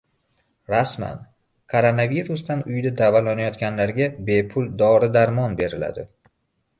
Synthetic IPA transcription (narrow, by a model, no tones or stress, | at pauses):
ɾasma̰n | kʰoɾonaviɾusd̪anʊjd̪ad̪avalanajɒt̪ɡʲanlaɾɡʲabe̞pʰʊlˠd̪ɒɾɪd̪aɾmɒnbe̞ɾɪla̰d̪ɪ